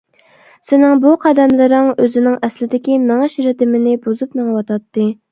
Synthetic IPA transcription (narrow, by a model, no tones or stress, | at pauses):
sɪnɪŋbuqʰɑd̪ɛmlɨɾɪŋøzɪnɪŋɛslɪd̪ɪkʲimɛŋɛʃiɾɪt̪ɪmɪnɪbozupmeŋwɑt̪ʰɑt̪ːɨ